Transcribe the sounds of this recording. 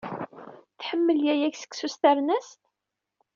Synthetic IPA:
θħəmːəljæjæçsə̥ksust̪æɾnæst̪

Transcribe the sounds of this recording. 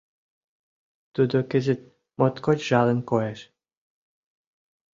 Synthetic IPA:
t̪ud̪okɘ̆zĕt̪̚ | mot̪kot͡ɕʒɑlə̆nkojeʃ

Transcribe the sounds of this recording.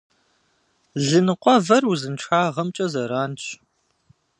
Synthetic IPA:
ɮɨnɨqʷʼɔvɐruzɨnʈ͡ʂʰaːʁɐmt͡ʃʼɐzɐɾaːnɕ

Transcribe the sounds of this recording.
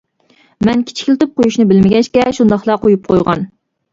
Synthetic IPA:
mɛnkʲʰi̥t͡ʃʰi̥kʲlt̪ɨp̚qojuʃnɪbɪlmɪɡʲɛʃkʲɛʃund̪ɑχlˠɑqʰojup̚qʰojʁɑ̰n

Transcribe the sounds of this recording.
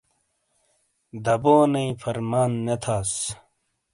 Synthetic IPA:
d̪ɐboːnɐĩfɐɾmaːnːet̪ʰaːs

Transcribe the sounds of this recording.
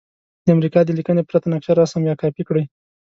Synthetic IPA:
d̪̥əamɾikɑd̪əlikənepɾat̪anakʃaɾɑsamjɑkɑpikɽəj

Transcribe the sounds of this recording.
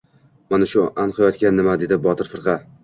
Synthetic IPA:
manaʃʊʔanqʰɨjɒt̪kʲanːɪmad̪e̞d̪ɪbɒt̪ʰɪɾfɨɾʁɑ

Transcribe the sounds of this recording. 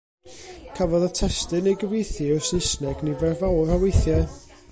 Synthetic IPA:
kʰavɔðətʰɛstɨnejɡəvejθɨɔsɪsnɛɡnivɛrvawrhawejθjɛ

